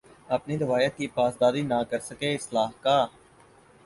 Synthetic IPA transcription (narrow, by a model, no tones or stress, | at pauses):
əpniɾɪʋaːjət̪̚kiːpaːsd̪aːɾiːnãkəɾsəkeɪslaːɦkaː